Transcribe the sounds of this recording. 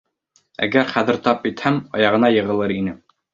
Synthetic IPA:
æ̰ɡæɾχæðɘ̆ɾt̪ɑp̚it̪hæmɑjɑʁɤ̆nɑjɤ̆ʁɤ̆lˠɤɾinɘ

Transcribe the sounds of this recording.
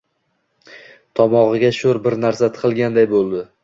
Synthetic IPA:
t̪ʰɒmɒʁɨɡʲaʃoɾbɪɾnaɾsat̪ʰɪ̥qɨlˠɡʲand̪ajbolˠd̪ɪ

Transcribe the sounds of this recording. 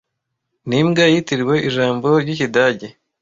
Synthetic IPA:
nimɡajitiɾiwe̞ʔiʒaːmbo̞ɾjɟiçidaɟe

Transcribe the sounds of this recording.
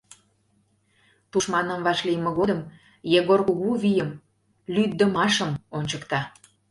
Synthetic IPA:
t̪uʃmɑnə̆mβɑʃliəmə̆ɣod̪əm | jeɣorkuɣuβijəm | lyd̪ːəmɑʃəmonʲt͡ɕəkt̪ɑ

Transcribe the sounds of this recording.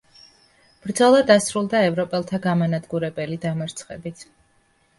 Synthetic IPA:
b̥ɾd̪zɔlˠad̪asɾulˠd̪aɛvɾɔpʼɛlˠt̪ʰaɡamanad̪ɡuɾɛbɛlid̪amaɾt̪sʰχɛ̰bit̪ʰ

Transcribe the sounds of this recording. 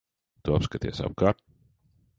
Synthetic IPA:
t̪uapskat̪iɛsa̰b̚kaːɾt̪

